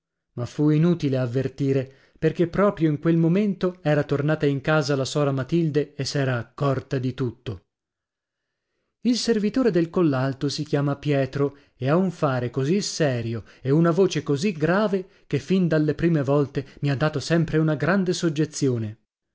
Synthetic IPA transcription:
mafuinuːt̪ileavːert̪iːɾe | perk̟epːɾɔːpɾjoiŋkwelmoment̪oɛːɾat̪ornaːt̪aiŋkaːzalasɔːɾamat̪ild̪eesːɛːɾaːkːɔrt̪ad̪it̪ut̪ːo | ilservit̪oːɾed̪elkolːalt̪osikjaːmapjɛːt̪ɾo | eauɱfaːɾekozisɛːɾjo | eunavoːt͡ʃekoziɡɾaːve | kefːind̪alːepɾiːmevɔlt̪emiad̪ːaːt̪osɛmpɾeunaɡɾand̪esod͡ʒːet̪sːjoːne

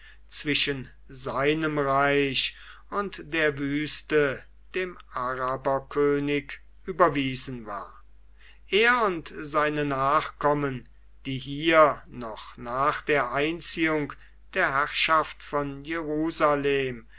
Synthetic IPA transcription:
t͡sv̥ɪʃən | zaɪnəmʁaɪʃ | ʊntd̥eːɐvyːstə | d̥eːmʔaʁabɐkʰøːnɪk | ʔyːbɐviːzn̩vaːɐ | ʔeːɐʊntzaɪnənaːχkɔmən | d̥iːɦiːɐnɔχnaːχd̥eːɐʔaɪnt͡siːʊŋk | d̥eːɐɦæʁʃaftfɔnjeʁuːzaleːm

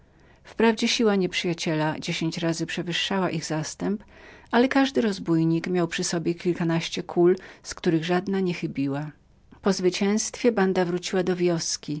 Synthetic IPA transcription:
fpɾavd͡ʑɛɕiwaɲɛpʂɘjat͡ɕɛlad͡ʑeɕeɲt͡ɕɾazɘpʂɛvɘʂːawaʔiɣzast̪ɛmpalɛkaʐd̪ɘɾɔzbujɲikmʲjawpʂɘsɔbʲjɛkʲilkanaɕt͡ɕɛkʰulskt̪uɾɘɣʐad̪naɲɛxɘbʲiwa | pɔzvɘt͡ɕɛ̃w̃st̪fʲjɛband̪avɾut͡ɕiwad̪ɔvʲjɔskʲi

